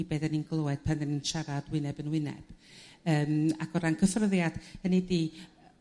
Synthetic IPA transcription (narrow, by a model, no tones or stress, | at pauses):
ibɛdɛninɡlˠoɛd̥̚pʰanɛninʃaɾadwɪnɛbənwɪnɛ̰b̥əːmaɡ̥ɔɾankʰəfrəðjad̥hənidiː